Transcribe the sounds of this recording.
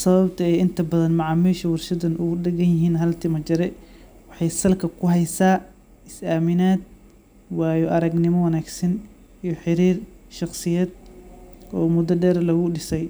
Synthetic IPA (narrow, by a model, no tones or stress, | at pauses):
sɐβɐbt̪ʰɐɛjɪnt̪ʰɐbɐðɐnmɑʕɑːmiːʃɐwɑrʃɐd̪ɐnʊɣʊɗɛɡɐnjɪɦiːnɦɐlt̪ʰɪmɐt͡ʃɐɾɛ | wɑħɑjsɐlkʰɐkʰʊɦɛjsaː | ɪsaːmɪnaːd̪̚ | waːjɔʔɐɾɐɡnɪmɔwɑnaːɡsɐn | ijɔħɪɾiːrʃɑqsɪjɛːd̪ | ɔːmʊd̪ɐɖɛːɾɐlɐɣʊɖɪsɛj